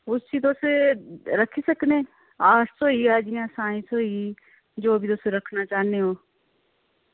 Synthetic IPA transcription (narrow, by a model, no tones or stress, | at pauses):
ʊst͡ʃit̪oːseɾɐkʰisɐkne | aːʈsoɦiaːd͡ʒiãsãːĩsoɦi | d͡ʒoːbʱit̪oːseɾɐkʰnat͡ʃaːneɦoː